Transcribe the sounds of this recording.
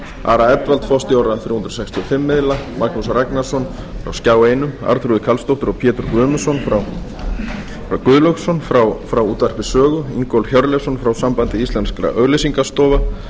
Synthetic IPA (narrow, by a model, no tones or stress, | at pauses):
a̰ːɾaɛt̪valt̪fɔst̪ɪɔwɾanθɾahʏnɾsɛkst̪ʰiɔfɪmːɪðlamaknɔsaɾaknḁsɔn | fɾa̰wscaːweːjnʏa̰ɾθɾuðɪkʰalst̪owht̪ʏɾɔpʰjɛːt̪ʏɾkœːmʏsɔn | fɾawkʏðlœxsɔnfawfɾawuːt̪ar̥pɪsœːɣʏiŋkɔlçœɾlɛsɔnfɾawsampant̪ɪist̪ɛnskɾa̰ʔœɣlesiŋkast̪ɔːva